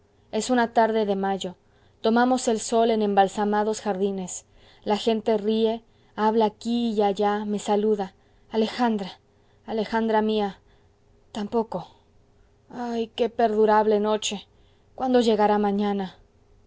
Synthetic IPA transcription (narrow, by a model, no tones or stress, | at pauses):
e̞sunat̪aɾðe̞ðe̞maʝo̞ | t̪o̞mamo̞se̞lso̞le̞nẽ̞mbalsamaðo̞sxaɾðine̞s | laxe̞nt̪e̞rie̞ | aβlaːkiːaʝame̞saluðaː | le̞xand̪ɾaː | le̞xand̪ɾamia | t̪ampo̞ko̞ | ajke̞pe̞ɾðuɾaβle̞no̞t͡ʃe̞ | kwand̪o̞ʝe̞ɣaɾamãɲãna